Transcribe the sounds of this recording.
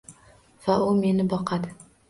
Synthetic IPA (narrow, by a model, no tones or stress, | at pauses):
vaʊme̞nɪbɒqʰad̪ɪ